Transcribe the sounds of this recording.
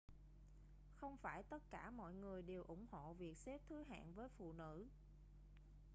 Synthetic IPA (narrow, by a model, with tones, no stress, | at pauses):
xə˧wŋ͡mfaː˧˩jt̪ə˦˥t̚kaː˧˩mɔ̰˧˨jŋɨ˨˩əjɗe˨˩wʔʊ˧˩ŋ͡mho̰˧˨vi˨˩ək̚se˦˥p̚t̪ʰɨ˨˦ɦa̰ː˧˨nvəː˨˦jfṵ˧˨nɨ̰˧˥